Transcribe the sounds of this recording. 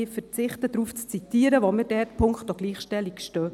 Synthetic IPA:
ɪfəɾt͡sɪχtəd̥ɾuːft͡st͡sit̪iːəɾəʋɔmɪdɛtpʰʊŋkχtoɡ̥liːχʃtɛlikʃtœː

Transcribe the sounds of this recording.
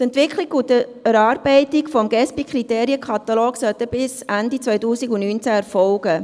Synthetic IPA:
t̪ɛntʋɪkʰliɡʊtəɛɾɑːɾb̥ɛɪtikfɔmɡɛspikʰχriteːɾiəkʰɑt̪ɑlɔːɡsœtəb̥ɪsændit͡sʋœjtuːsiɡʊnnyːnt͡sæɛɾfɔlɡ̥ə

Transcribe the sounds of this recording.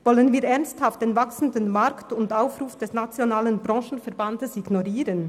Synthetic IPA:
vɔlənviːɐɾɛʁnsthaft̚d̥eːnvaksn̩dənmaɾktʊndaʊfʁuːfd̥ɛsnat͡sjonaːlənbʁɑ̃ːʃn̩fɛɐʁbandəsiɡnoʁiːʁən

